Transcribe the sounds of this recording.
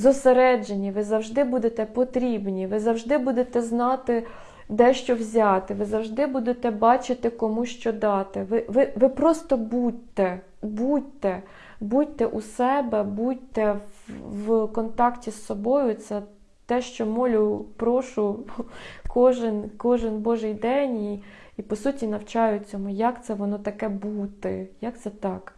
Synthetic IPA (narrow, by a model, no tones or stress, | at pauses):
zɔseɾɛd͡ʒenʲiʋɪzɐwʒd̪ɪbud̪et̪ɛpɔt̪ɾʲibnʲiʋɪzɐwʒd̪ɪbud̪et̪ɛznɑt̪ɪ | d̪ɛʃt͡ʃɔwzʲɑt̪ɪʋɪzɐwʒd̪ɪbud̪et̪ɛbɑt͡ʃɪt̪ɪkɔmuʃt͡ʃɔd̪ɑt̪ɪʋɪʋɪʋɪpɾɔst̪ɔbud̚ʲt̪ɛ | budʲt̪ɛ | butʲt̪ɛʔusɛbɛbut̪ɛ | wkɔnt̪ɑktʲisːɔbɔjʊt̪sɛ | t̪ɛʃt͡ʃɔmɔlʲʊpɾɔʃʊ | kʰɔʒɪnkɔʒɪnbɔʒɪjd̪ɛnʲi | ipɔsutʲinɐwt͡ʃɑjʊt͡sʲːɔmʊjɑkt̪sɛʋɔnɔt̪ɐkɛbut̪ɪjɑk̚t̪sɛt̪ɑk